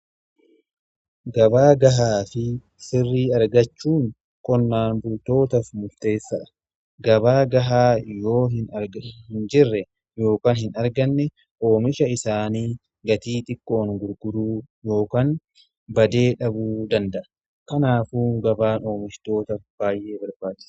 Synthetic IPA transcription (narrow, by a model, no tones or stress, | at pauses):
ɡɐbaːɡɐɦaːfɪ | sɪrːiːɐɾɡɐt͡ʃːuːŋ | kʼɔnːaːnbʊlt̪o̞ːt̪ɐfmʊɾt̪e̞ːsːɐᶑɐ̥ | ɡɐbaːɡɐɦaːjo̞ːɦɪnɾɡhɪnd͡ʒɪrːɛ | jo̞ːkaːnhɪnɐɾɡɐnːɛ | ʔo̞ːmɪʃɐɪsaːniː | ɡɐt̪iːt̪ʼɪkʼːo̞ːŋɡʊɾɡʊɾuːjo̞ːkaːn | bɐd̪e̞ːᶑɐbuːd̪ɐnd̪ɐʔɐ | kɐnaːfuːɡɐbaːno̞ːmɪʃt̪o̞ːt̪ɐfb̥aːjʔe̞ːbɐɾbaːt͡ʃːɪ̥sɐ̥